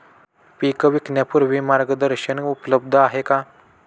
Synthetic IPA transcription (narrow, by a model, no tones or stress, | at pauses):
pikəʋiknjapuɾʋimaɾɡəd̪əɾɕənupləb̚d̪ʱəaɦeka